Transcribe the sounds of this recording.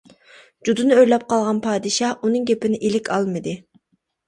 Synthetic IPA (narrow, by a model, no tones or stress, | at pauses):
d͡ʒud̪unɨøɾlɛp̚qʰɑlˠʁɑnpʰɑːd̪ɨʃɑʔunɨŋɡʲepɪnɪʔilɪkʲʰɑlˠmɨd̪ɨ